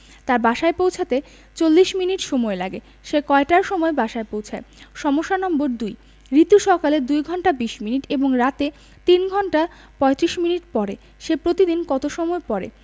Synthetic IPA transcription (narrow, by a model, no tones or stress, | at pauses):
t̪aɾbaʃaepowt͡ɕʰat̪e | t͡ɕolːiʃminiʈʃomɔelaɡe | ʃekɔeʈaɾʃɔmɔebaʃaepowt͡ɕʰaeʃɔmoʃːanɔmboɾd̪uj | ɾit̪uʃɔkaled̪ujɡʱɔnʈabiʃminiʈeboŋɾat̪e | t̪inɡʱɔɳʈa | pɔet̪ɾiʃminiʈpɔɾe | ʃepɾot̪id̪inkɔt̪oʃɔmɔepɔɾḛ